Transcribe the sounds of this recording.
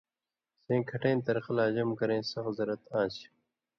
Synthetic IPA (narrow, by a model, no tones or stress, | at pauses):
sẽːkʰɐʈẽːnt̪ɐɾqɐlaːd͡ʑɐmkɐɾẽːsɐxzɐɾɐt̪ãːt͡ɕ